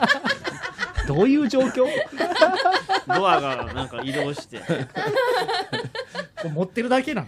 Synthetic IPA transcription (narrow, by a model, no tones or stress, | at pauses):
d̪o̞ːjɯ̟ːd͡ʑo̞ːkʲo̞ː | d̪oβaɡanãŋkaiɾoːɕi̥t̪ḛ | koːmot̪ːe̞ɾɯ̟d̪ake̞nãn